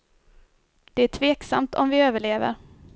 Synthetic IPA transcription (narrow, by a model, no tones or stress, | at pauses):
d̪̥ɛæʈʰveːksa̰mt̪ʰɔ̰mvɪøːvəɭeːvə̰ɾ